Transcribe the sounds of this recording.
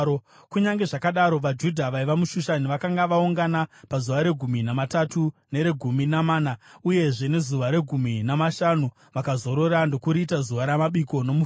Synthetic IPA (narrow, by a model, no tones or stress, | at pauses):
o | kuɲaŋɡe̞ʐakaɗaɾo̞ʋad͡ʒudʱaʋaiʋamuʃuʃaniʋakaŋɡaʋauŋɡanapazuʋaɾe̞ɡʱuminamatatune̞ɾe̞ɡʱuminamaːnauje̞ʐe̞ne̞zuʋaɾe̞ɡʱuminamaʃanu | ʋakazo̞ɾoɾando̞kuɾiːtazuʋaɾamaɓiko̞no̞muf